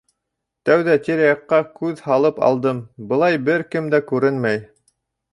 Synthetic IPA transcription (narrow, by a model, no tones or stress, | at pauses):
t̪æwðæt̪iɾæjɑqːɑkʉðhɑlˠɤpɑ̰lˠd̪ɤmbɤ̆lˠɑjbɘɾkɘmd̪ækʉɾɘnmæj